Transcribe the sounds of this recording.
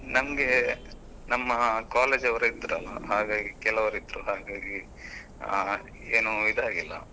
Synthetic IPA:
nɐmɐɡe̞ | nɐmːɐkaːleːd͡ʒɐʋɐɾeid̪ːɾɐlːɐ̰ɦaːɡaːɡikɛlɐʋɐɾid̪ɾuɦaːɡaːɡi | eːnuid̪aːɡilːɐ̰

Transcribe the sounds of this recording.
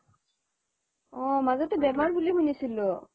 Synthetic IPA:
ɔmazɔtubɛmaɹbulimunisilɔ

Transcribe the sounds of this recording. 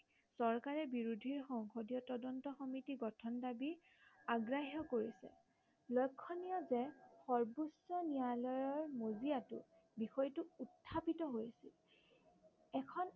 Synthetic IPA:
sɔɹkaɹɛbiɹudʱiɹxɔŋxodijɔtɔdɔntɔxɔmitiɡɔtʰɔndabi | aɡɹaɦɔkoɹisɛ̰ | lɔjkʰːɔnijɔzɛxɔɹbusɔnijalɔjɔɹmoziatʊ̰ | bixɔjtʊutʰːapitɔɦojsḭl | ɛkʰɔn

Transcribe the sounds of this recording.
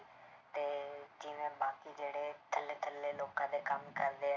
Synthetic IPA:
t̪eːd͡ʒɪːʋẽːbaːkid͡ʒeːɽeːt̪ʰəleːt̪ʰəleːloːkãːd̪eːkəmkəɾd̪eː

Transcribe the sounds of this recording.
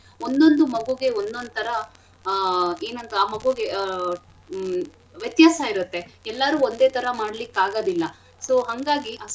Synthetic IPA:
ond̪o̞nd̪umɐɡuɡe̞ond̪o̞nd̪ut̪ʰɐɾɐ | eːnɐnt̪ɐaːmɐɡuɡe | ʋjɐt̪jaːsaiɾut̪ːe̞ɛlːɐɾuːond̪e̞ːt̪ʰɐɾɐmaːɽɐlikːaːɡoːd̪ilːɐ | soːɦɐŋɡaːɡiʔɐ

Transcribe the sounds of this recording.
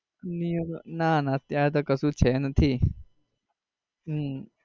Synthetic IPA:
nionanat̪jat̪̬ɔkəsũːt͡ɕʰɛnat̪ʰi

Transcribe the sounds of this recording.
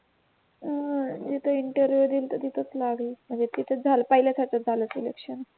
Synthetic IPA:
d͡ʑet̪ʰəiɳʈəɾʋjud̪iːlt̪ət̪it̪ʰət͡slaɡlim̤əɳd͡zet̪it̪ʰət͡s̚d͡zʱalpəɦiljat͡sat͡ɕad͡zʱaləsilekʂən

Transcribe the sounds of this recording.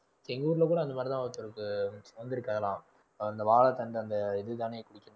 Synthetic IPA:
sɛŋɡuːɾlɐkuːɽɐɐnd̪ɐmaːdɾɪt̪ãːɐt̪ːɔɾɯkːɯsoɐnd̪ɪɾɯkːaːðɐlãː | ɐnd̪ɐʋaːlɐt̪ːɐɳɖɯɐnd̪ɐɪðɯt̪aːneːkʊɽɪkːɯn

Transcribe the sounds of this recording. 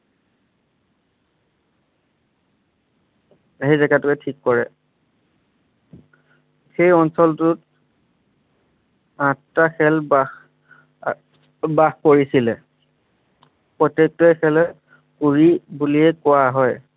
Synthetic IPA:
ɦejzɛkatʊkɛtʰikːɔɹɛ | xejɔnsɔltʊt̚ | ãttaxɛlbax | baxkoɹisilɛ | pɹɔtːek̚tɔjxɛlɛ | kuɹibuliɛkʊaɦɔj

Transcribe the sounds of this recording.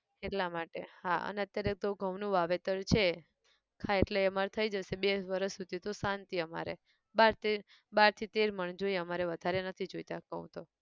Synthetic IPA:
eʈlamaʈḛhaə̰neət̪jaɾeek̚t̪oɡʱəʋnũʋaʋet̪əɾt͡ʃʰe | kʰaeʈleəmaɾet̪ʰəid͡ʒəsebeʋəɾəʃsud̪ʱit̪osant̪iəma̰ɾḛ | baɾt̪i | baɾt̪ʰit̪eɾməɳd͡ʒoiəmaɾeʋəd̪ʱaɾenət̪ʰid͡ʒojt̪akəɦũt̪o

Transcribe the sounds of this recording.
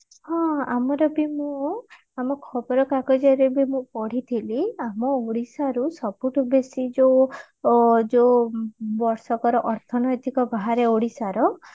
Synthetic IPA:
hɔ̃a̰mɔɾɔbimũ | amɔkʰɔbɔɾɔkakɔd͡ʒaɾebimũpɔɽ̤it̪ʰiliamɔoɽisaɾusɔpuʈubesid͡ʒo | d͡ʒo | bɔɾsɔkɔɾɔʔɔɾt̪ʰɔnɔjt̪ikɔbaɦaɾeoɽisaɾɔ

